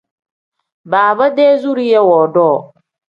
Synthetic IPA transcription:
baː˨ba˦deː˦zu˦ɾi˦jɛ˦wɔː˨dɔː˦˨

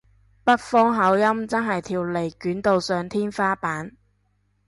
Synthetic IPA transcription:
pɐ˥t̚fɔː˥ŋɦɐ˨˥wjɐ˥mt͡sɐ˥nɦɐ˨jt̪ʰiː˨wle˨˩jkyː˨˥nt̪o˨˧wsœː˨˧ŋt̪ʰiː˥nfaː˥paː˨˥n

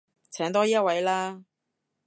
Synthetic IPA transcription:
t͡sʰɛː˨˥ŋt̪ɔː˥jiː˥˦ɐ˥t̚wɐ˨˥jlaː˥

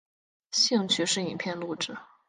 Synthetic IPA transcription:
ɕi˥˧ŋt͡ɕʰy˥˧ʂɻ̩˥˩i˨˩npʰjɛ˥˧nlu˥˧ʈ͡ʂɻ̩˥˩

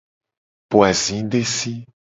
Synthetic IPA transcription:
po˨a˨zĩ˨˦d̪e˦si˦

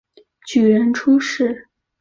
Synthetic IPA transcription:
t͡ɕy˨˩ɥə˧˥nʈ͡ʂʰu˥ʂɻ̩˥˩

